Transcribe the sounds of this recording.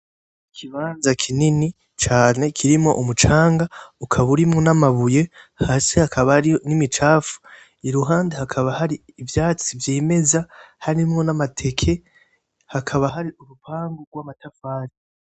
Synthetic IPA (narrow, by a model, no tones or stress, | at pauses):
kʰiβaːnzakʰinini | t͡ʃaːne̞kʰiɾimŋo̞̰ʔumut͡ʃaːŋɡaukʰaβuɾimŋonamaβuje̞haːsehakʰaβaɾionimit͡ʃaːfu̥ | iɾuɦaːndehakʰaβahaɾiːvjaːt͡sivjeːme̞zahaɾimŋo̞namatʰe̞kʰe̞ | hakʰaβaɦaɾiʔuɾupʰaːŋɡoɡwaːmatafaːɾi